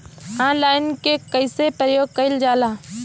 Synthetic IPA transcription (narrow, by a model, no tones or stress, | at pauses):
ãːnlaːɪnkekəɪsepɾəjoːɡ̚kəɪld͡ʒaːlaː